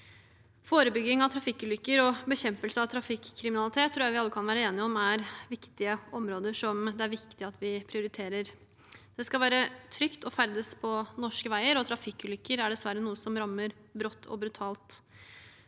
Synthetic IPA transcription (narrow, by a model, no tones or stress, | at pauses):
foːɾəbʏɡːɪŋɑʋt̪ʰɾɑfɪkːʉːlʏkːəɾɔbəçɛmpəlsəɑʋt̪ʰɾɑfɪkʰːɾɪmɪnɑlɪt̪ʰeːt̪ʰːɾuːjæɪʋɪɑlːəkʰɑnʋæːɾəeːnɪɔmæɾʋɪkt̪ɪəɔmɾoːd̪əʂɔmd̪ɛæɾʋɪkkt̪ɪɑt̪ʰʋɪpʰɾɪʊɾɪt̪ʰeːɾəɾ | d̪̥ɛskɑlʋæːɾət̪ʰɾʏkt̪ɔfæɾd̪əspʰɔnɔʂkəʋæɪəɾɔt̪ʰɾɑfɪkːʉːlʏkːəɾæɖɛsʋæɾənuːəsɔmɾɑmːəɾ | bɾɔt̪ːʰɔ̰bɾʉt̪ʰɑːlt̪